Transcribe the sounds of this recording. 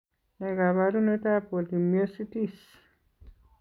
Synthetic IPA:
nɛ˨ɡa˨βaɾu˦ne˦ta˦po˨li˨mjo˦si˦ti˦s

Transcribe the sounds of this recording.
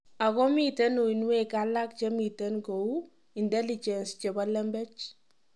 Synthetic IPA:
a˨kɔ˦mitɛ˦no˨i˨nwe˦kala˦k̚t͡ʃe˦mi˨tɛ˦nko˨u | i˨ndɛ˦lit͡ʃɛ˨nst͡ʃe˨ba˦lɛ˦mbɛ˦t͡ʃ

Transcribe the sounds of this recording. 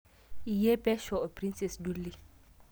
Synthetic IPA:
i˨je˦bɛ˦ʃɔ˨o˨pɾĩ˦nsɛ˨sd͡ʒu˦li˨

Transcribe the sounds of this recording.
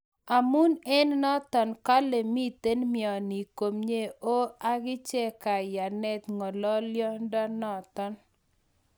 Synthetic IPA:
a˨mu˦nɛ˦nnɔ˦t̪ɔ˨nka˦le˨mi˦t̪e˦nmjɔ˨ni˨ko˨mɲe˦o˦a˦ɡɪ˦t͡ʃɛ˦ka˨ja˨nɛ˦t̪ŋɔ˨lɔ˦ljɔ˦ndɔ˦nɔ˦˨t̪ɔ˦n

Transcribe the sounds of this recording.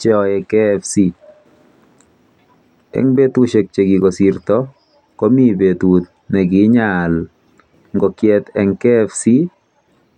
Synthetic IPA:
t͡ʃɛ˦ɔ˨ɛ˨kɛ˦fsi˦ | ɛ̰˨ŋbe˦t̪u˦ʃe˨k̚t͡ʃe˨ɡi˨ɡɔ˨sirt̪ɔ˦ | kɔ˦mi˦be˨t̪u˨t̪ | nɛ˨ɡɪ˨˦ɲal | ŋɡɔ˨kjɛt̪ɛ˨ŋkɛ˦fsi˦

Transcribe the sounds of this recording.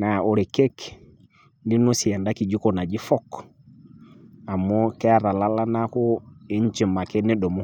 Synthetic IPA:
na˨o˨ɾe˨ke˦k | ndi˦no˦si˨a˨nda˦ki˨d͡ʒi˦ko˨na˨d͡ʒi˦fɔ˦k | a˨mːo˦ke˦a˨ɾa˨la˦la˦na˦ko˦e˦ɲ˦t͡ʃi˨ma˨ke˦ne˦ɗo˨mo˦

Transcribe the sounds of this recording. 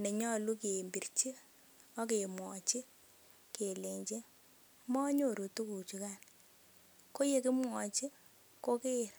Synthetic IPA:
ne˨ɲɔ˦lu˦ki˨e˨mbi˨rt͡ʃi˦ | ɔ˦k̬e˨mwɔ˨t͡ʃi˦ | ke˨le˨ɲt͡ʃe˦ | mɔ˦ɲo˦˨ɾu˨tu˦ku˨t͡ʃu˨˦ka˦n | ko˦je˦kɪ˦mwɔ˨t͡ʃi˦ | ko˦ke˦ɾ

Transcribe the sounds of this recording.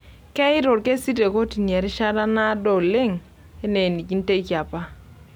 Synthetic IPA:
kɛ˦ɪ˦ɾo˨ɾke˦si˦te˨ko˦ti˨njɛ˨ɾɪ˦ʃa˦ɾa˦na˦do˨le˦ŋ | e˦ne˨ni˨ki˦n˦te˦i˦kja˨pa˦

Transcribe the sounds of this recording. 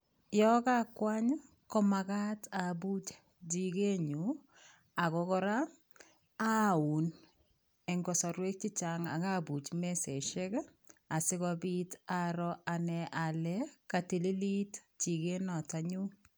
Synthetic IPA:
jɔ˦ka˦kwa˦ɲ | kɔ˦maɣa˦tabu˦t͡ʃ | d͡ʒi˨ɡe˦ɲu˨ | a˨kɔ˦kɔ˦ɾaː˦ | u˨n | ɛ˨ŋɡɔ˨sɔ˨ɾwe˦k̚t͡ʃi˦t͡ʃa˨ŋa̰˨ka˦bu˨t͡ʃmɛ˦sɛ˨ʃɛ˦k | a˨sɪ˦kɔbi˦taɾɔʔa˨nɛʔa˨lɛkati˨li˦li˦tt͡ʃi˨ɡe˦nɔ˨taɲu˦

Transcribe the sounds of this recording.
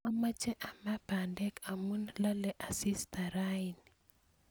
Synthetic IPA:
a˦ma˦t͡ʃɛ˦ʔa˨ma˦ba˨ndɛ˦ka˨mu˦nla˦lɛ˨ʔa˨si˦st̪a˨ɾaini

